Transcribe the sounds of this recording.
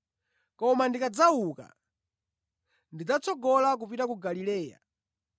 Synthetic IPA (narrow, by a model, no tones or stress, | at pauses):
kɔmandikad͡zauka̰ | ndid͡zat͡sɔɡɔlak̬upitakuɡalilɛːja̰